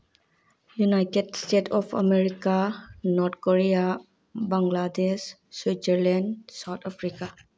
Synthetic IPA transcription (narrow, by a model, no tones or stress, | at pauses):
junajtedstetʰɔpʰa̰meɾikanɔɾt̪ʰkoɾia | bãŋɡladesː | wid͡ʒəɾlandsawt̪ʰapʰɾika